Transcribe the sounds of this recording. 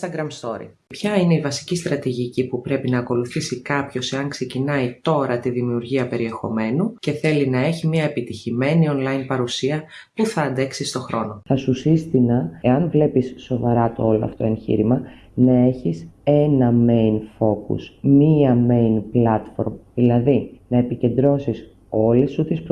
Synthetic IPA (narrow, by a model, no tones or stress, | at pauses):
st̪ɐɡɾɐmst̪o̞ɾḭ | pçɐine̞ivɐsi̥cist̪ɾɐt̪iʝicipupɾe̞pinɐːko̞luθisikɐpço̞se̞ɐŋkse̞cinɐit̪o̞ɾɐt̪iðimiuɾʝiɐpe̞ɾie̞xo̞̰me̞nuce̞θe̞linɐe̞çimiɐepit̪içime̞nio̞nlɐjinpɐɾusiɐpuθɐːnd̪e̞ksist̪o̞xɾo̞no̞θɐsusist̪inɐe̞ɐnvle̞pisːo̞vɐɾɐt̪oolo̰ɐ̰ft̪o̞e̞nçḭɾimɐ | nɐe̞çise̞nɐme̞jnfo̞kṵsmiɐme̞jnplɐt̪fo̞ɾmðilɐðinɐe̞pice̞nd̪ɾo̞sis | o̞lesut̪isp